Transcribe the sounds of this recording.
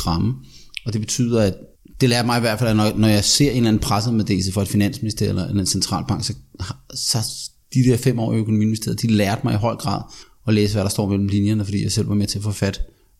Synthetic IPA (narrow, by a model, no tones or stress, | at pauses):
ʁɑ̈mə | ɒ̽d̥e̝b̥e̝t͡sʰy̰ð̰ˠɐæ̥ | d̥e̝læːɐd̥mɑ̈ɪiʋæɐd̥fælænɒnɒjɑ̈ɪse̝ɐ̰e̝nlæn̩pʰʁasəð̩ˠmeðd̥e̝̰səfɒ̽e̝d̥finæn̰sminisd̥ḛɐ̰elɐenensent͡sʰʁɑ̰̈ːlb̥ɑ̈ŋ̰ɡ̥sɒ̽sɑ | d̥id̥eɐfem̰ɒ̰ːiøkʰo̝nomḭːnmise̝ɐðˠd̥ilæːɐd̥mɑ̈ɪiɦɒ̽ɪ̰ɡ̥ʁɑ̰̈ːðˠ | ɒ̽leːs̬əʋæɾ̥ɑ̈sd̥ɒ̰ːmel̰m̩linjɐnəfɒd̥ḭːjɑaɪsel̰ʋɑ̈met͡sʰe̝æɐfɒ̽fæd̥